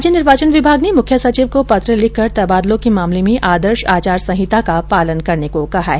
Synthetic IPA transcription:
d͡ʒjənɪɾʋaːt͡ʃənʋɪbʱaːɡnemʊkʰjəsɐt͡ʃiːʋkopɐt̪ɾəlɪkəɾt̪ɐbaːd̪lõkimaːmlemẽʔaːd̪əɾʃaːt͡ʃaːɾsɐ̃ɦɪt̪akapaːlənkɐɾnekokɐɦaɛ

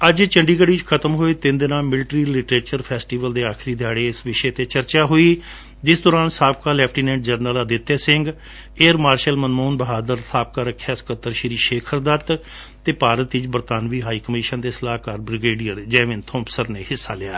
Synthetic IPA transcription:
əd͡ʒt͡ʃəɳɖiːkəɽiːt͡ʃkʰət̪əmɦoːiːt̪ɪnd̪ɪnãːmɪlʈɾiːlɪʈɾeːt͡ʃəɾpʰɛːsʈiːʋəld̪eːaːkʰɾiːd̪ʱjaːɽeːɪsʋɪʃeːt̪eːt͡ʃəɾt͡ʃaːɦoːiː | d͡ʒɪsd̪ɔːɾãːnsaːp̚kaːlɛːpʰʈiːnɛ̃ːɳɖ̚d͡ʒəɾnəlaːd̪ɪt̪ːeːsɪ̃ŋɡ | eːɾmaːɾʃəlmənmoːnbəɦaːd̪əɾsaːp̚kaːɾəkʰːjaːskət̪ːəɾʃɪɾiːʃeːkʰəɾd̪at̪ | t̪ːeːpaːɾət̪ɪt͡ʃbəɾt̪aːnʋiːɦaːiːkəmiʃənd̪eːsəlaːkaːɾbɾɪɡeːɖijəɾd͡ʒɛːʋɪnt̪ʰɔ̃ːmpsəɾneːhɪsːaːlɪa̰ː

